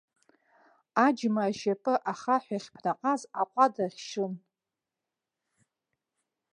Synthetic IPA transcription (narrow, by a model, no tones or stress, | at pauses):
ad͡ʒmaːʃapʼɨʔaχaħʷᶣaχʲpʰnaqʼazaqʷʼadarʲʃɨn